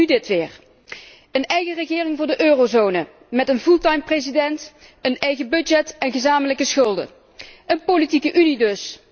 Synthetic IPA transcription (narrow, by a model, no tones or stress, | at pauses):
ydɪtʋɪːr | ənɛjɣərəχɪːrɪŋvʊːɹdəʔøːrowzownə | mɛtənvulˠtɑjmprezidɛnt | ənɛjɣəbɵd͡ʒɛtɛnɣəzaːmələkəsχɵlˠdə̰ | ʔənpolitikəʔynidɵs